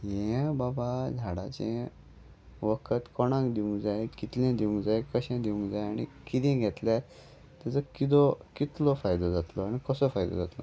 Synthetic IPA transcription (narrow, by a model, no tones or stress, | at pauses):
jɛ̃babad͡zʱaɽat͡ɕɛ̃ | ʋəkʰət̪kɔɽ̃ãŋkd̪iũŋɡd͡zaekit̪lɛ̃d̪iũŋɡd͡zajkəɕɛ̃d̪iũŋɡd͡zajaɽ̃ḭkit̪ɛ̃ɡʱɛt̪lat̪ | t̪ːat͡səkid̪ɔkit̪lɔfajd̪ɔd͡zat̪lɔaɽ̃ikəsəfajd̪ɔ̰d͡zat̪lɔ